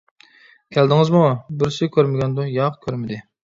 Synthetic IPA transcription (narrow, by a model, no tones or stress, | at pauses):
kʲʰæld̪ɪŋɪzmubɪɾsɪkʲʰøɾmɪɡʲɛnd̪ʊjɑʁkʲʰøɾmɪd̪ɪ